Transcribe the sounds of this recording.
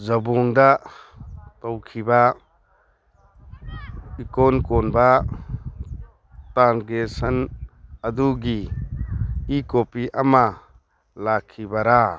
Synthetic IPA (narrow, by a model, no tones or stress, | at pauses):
zɐbɔŋda | tɔwkʰiba | ikɔnkɔnba | taɾɡesanɐduɡi | ikopiʔama | lakʰːibaɾa